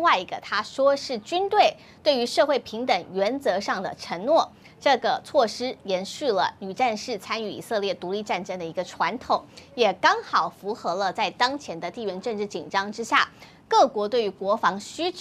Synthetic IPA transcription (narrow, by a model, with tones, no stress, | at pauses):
ŋwa˥˩ɪi˧˥ɡə˧t̪ʰa˥ʂwɔ˥ʂɻ̩˥˩t͡ɕy˥nt̪we˥˩ɪ | t̪we˥˩ɪy˧˥ʂɤ˥˧xwe˥˩ɪpʰi˧˥ŋt̪ə˨˩ŋɥɛ˧˥nt͡sɤ˧˥ʂɑ˥˩ŋd̪ə̰˩ʈ͡ʂʰə˧˥ŋnwɔ˥˩ | ʈ͡ʂɤ˥˩ɡə˩t͡sʰwɔ˥˩ʂɻ̩˥jɛ˧˥nɕy˥˩lə̰˩ny˨˩ʈ͡ʂa˥˧nʂɻ̩˥˩t͡sʰa˥ny˥˩ḭ˨˩sɤ˥˧ljɛ˥˩t̪u˧˥li˥˧ʈ͡ʂa˥˩nʈ͡ʂə˥ŋd̪ə˨i˧˥ɡə˧ʈ͡ʂʰwa˧˥nt̪ʰʊ˨˩˦ŋjɛ˨˩kɑ˥ŋxɑ˨˩ʊfu˧˥xɤ˧˥lə˧t͡sa˥˩ɪt̪ɑ˥ŋt͡ɕʰjɛ˧˥nd̪ə˧t̪i˥˩ɥɛ˧˥nʈ͡ʂɤ˥˧ŋʈ͡ʂɻ̩˥˩t͡ɕḭ˨˩nʈ͡ʂɑ˥ŋʈ͡ʂɻ̩˥ɕja˥˩ | kɤ˥˩kwɔ˧˥t̪we˥˩ɪy˧˥kwɔ˧˥fɑ˧˥ŋɕy˥ʈ͡ʂ